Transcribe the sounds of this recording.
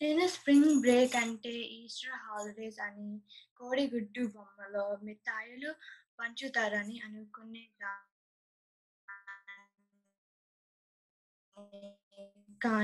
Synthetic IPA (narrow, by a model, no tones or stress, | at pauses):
neːnɐspɾiŋɡbɾeːkɐɳʈeːiːsʈɾaːɦaːliɖeːsɐnikoːɽiɡuɖːubɐmːɐloːmit̪ːaːjulupɐɲt͡ʃut̪aːɾɐniɐnukunːeɡaː | kaː